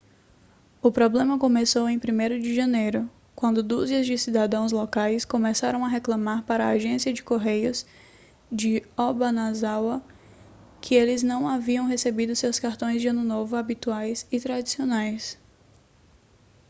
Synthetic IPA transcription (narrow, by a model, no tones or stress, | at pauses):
ʊpɾɔblẽmɐkõmesowẽj̃pɾimejɾʊd͡ʒɪʒɐ̃nejɾʊ | kwɐ̃nd̪ʊd̪uziɐzd͡ʒɪsid̪ad̪ɐ̃w̃z̬lɔkajskõmesaɾɐ̃w̃ɐɦeklɐ̃maɾpaɾɐaʒẽsiɐd͡ʒɪkoɦejʊs | d͡ʒɪɔbɐnazawɐ | kʰɪelɪznɐ̃w̃aviɐ̃w̃ɦesebid̪ʊsewskaɾt̪õj̃zd͡ʒɪɐ̃nʊnovʊabit̪uajsɪt̪ɾad͡ʒisionajs